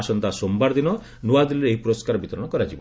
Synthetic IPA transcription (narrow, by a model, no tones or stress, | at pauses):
sɔnt̪asombaɾɔd̪inɔ | nuwad̪iliɾeeɦipuɾoskaɾɔbit̪ɔɾɔɽ̃ɔkɔɾad͡ʒibɔ